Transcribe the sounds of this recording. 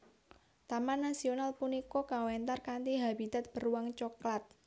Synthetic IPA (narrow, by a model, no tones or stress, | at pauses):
t̪amanːasionalpunikɔkawɛnt̪arkant̪iɦab̥it̪at̪̚b̥ə̤ruwaŋt͡ʃɔklat̪̚